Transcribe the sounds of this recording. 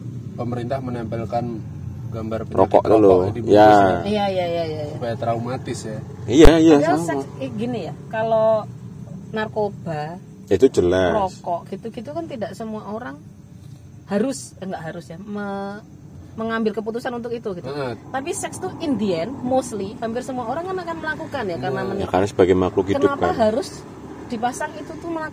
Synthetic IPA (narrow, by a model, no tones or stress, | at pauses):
pəməɾint̪ahmənɛmpɛlkan | ɡambarpiɾɔ̰kɔ̰ʔd̪uluɔdibjajajajajajuapajat̪ɾaumat̪ɪsja | ijaijaasɛksɡinijakalo | narkob̥a | it̪ud͡ʒəlarɔskɔʔɡ̥it̪uɡit̪ukant̪idaʔsəmuaʔoɾaŋ | haɾʊs | aŋɡaʔɦaɾʊsjamə | məŋambɪlkəp̬ut̪usanunt̪ʊkit̪uɡit̪ut̪ap̬isɛkst̪uʔindiənmost̪lihampɪrsəmuaoɾaŋkanakanməlakukanjakarənamənjakaɾasəb̥aɡajmaklukikəndʊapaɦaɾʊs | d̥ipasaŋit̪ut̪uməlak